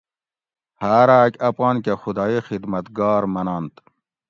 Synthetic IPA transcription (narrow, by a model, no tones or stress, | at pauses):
haːɾaːkʲɐpɑːnkexud̪ɑːixid̪mɐt̪ɡɑːɾmɐnaːnt̪